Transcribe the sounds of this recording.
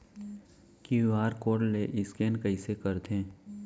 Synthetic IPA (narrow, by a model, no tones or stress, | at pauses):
kiʋaːɾkoːɖleʔɪskeːnkəisekəɾt̪ʰẽː